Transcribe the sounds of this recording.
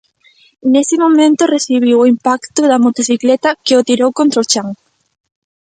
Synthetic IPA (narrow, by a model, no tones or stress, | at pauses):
nesɪmõmẽnt̪ʊreθiβ̞iwoimpakt̪ʊðɐmot̪oθiklɛt̪ɐkeʊt̪iɾowkõnt̪ɾaot͡ʃaŋ